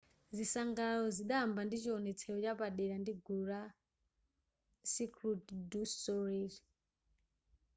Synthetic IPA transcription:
zisaŋɡalɔziɗambandit͡ʃiɔnɛt͡sʰɛɔt͡ʃapaɗɛɾandiɡuɾa | sikɾutdusɔɾiɾi

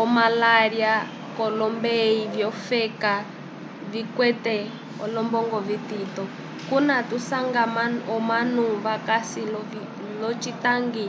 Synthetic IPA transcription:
ɔmalaɾja | kɔlɔmbeivjɔfɛka | vikwɛt̪ɛ | ɔ̰lɔmbɔŋɡɔvit̪it̪ɔ | kunat̪usaŋɡamaɔmanuβakasilɔvi | lɔt͡ʃitaŋɡi

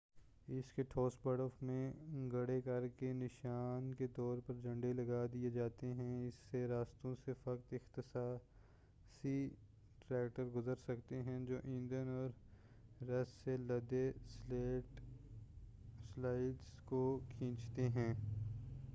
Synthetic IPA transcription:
ɪskeʈʰoːsbɐɽəfmẽɡɐɽekɐɾkenɪʃaːnket̪ɔːɾpɐɾd͡ʒɐ̃ɳɖelɐɡad̪ied͡ʒaːt̪eɦɛ̃ɪsːeɾaːst̪õsefɐkt̪ɪxt̪ɪsaː | si | ʈɾɛːkʈəɾɡʊzəɾsɐkt̪eɦɛ̃d͡ʒoːʔĩːnd̪ənɔːɾː | ɐsːelɐd̪eseː | slaːɪɖzkokʰĩːt͡ʃt̪eɦɛ̃ː

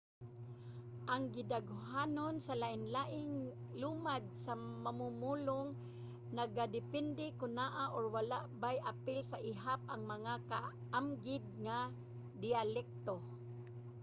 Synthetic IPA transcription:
ʔaŋɡɪd̪aɡɦaːnonsalaʔɪnlaʔɪŋ | lumad̪̚samamumulʊŋ | naɡad̪ɪpɛnd̪ɪkʊnaʔaʔoɹwalaʔbajʔapɪlsaʔɪɦap̚ʔaŋmaŋaka | ʔamɡɪd̪̚ŋa | d̪ɪalɛk̚t̪o

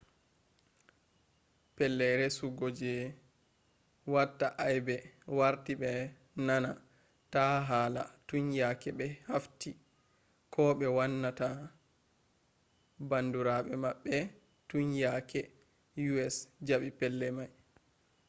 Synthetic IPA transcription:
pɛlːɛɾɛsuɡod͡ʒɛ | watːaʔajbɛwaɾtiɓɛ | nana | taɦala̰tuɲjakɛɓɛhafti | kʰɔɓɛwanːata | banduɾaɓɛmaɓːɛ | tuɲjakʰɛ | juɛsd͡ʒaɓipɛlːɛmaj

